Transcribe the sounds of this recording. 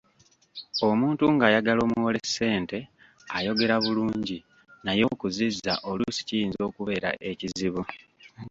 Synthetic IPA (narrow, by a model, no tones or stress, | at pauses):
o̞muːntuŋɡajaɡalo̞ːmuwole̞sːe̞ːnte̞ | ajo̞ɡe̞ɾaβuluːɲɟi | najo̞ːkuzizːa̰ʔo̞lusi̥cijiːnzo̞ːkuβe̞ɾa̰ʔe̞ciziβu